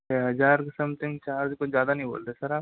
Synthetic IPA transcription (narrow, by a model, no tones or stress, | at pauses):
eɦɐd͡ʒaːɾksɐmt̪ɪ̃ŋt͡ʃaːɾd̪kozjaːd̪anɐɦĩbo̰ːld̪eːsɐɾaː